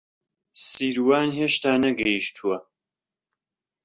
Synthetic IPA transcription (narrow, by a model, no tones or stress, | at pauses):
siːɾwaːnɦeːʃt̪aːnɐɡɐjiʃt̪ʰuwɐ